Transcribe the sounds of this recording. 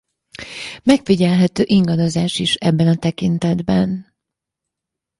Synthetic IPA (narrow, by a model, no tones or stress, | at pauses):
mɛkfiɟɛlɦɛt̪øːʔiŋɡɒd̪o̞zaːʃiʃɛbːɛnɒt̪ɛkint̪ɛd̪bɛn